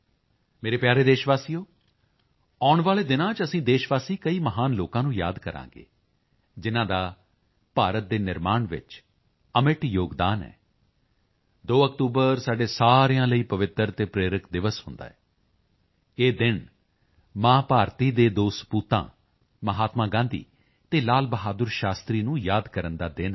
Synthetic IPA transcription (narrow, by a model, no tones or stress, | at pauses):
meːɾeːpjaːɾeːd̪eːʃʋaːsiːoː | ɔːʊɳʋaːleːd̪ɪnãːt͡ʃəsĩːd̪eːʃʋaːsiːkəiːməɦaːnloːkãːnũːja̰ːd̪kəɾã̰ːŋɡḛː | d͡ʒɪnãːd̪aː | paːɾət̪̚d̪eːnɪɾmaːɳʋɪ̰t͡ʃ | əmɪʈjoːɡd̪aːnɛ̰ː | d̪oːəkt̪uːbəɾsaːɖeːsaːɾjãːləiːpəʋɪt̪ːəɾt̪eːpɾeːɾɪkd̪ɪʋəsɦʊ̃nd̪a̰ːɛː | eːd̪ɪn | maːpaːɾt̪iːd̪eːd̪oːspuːt̪ã̰ː | məɦaːt̪mãːɡãːnd̪ḭː | t̪eːlaːlbəɦaːd̪əɾʃaːst̪ɾiːnũːjaːd̪kəɾənd̪aːd̪ɪn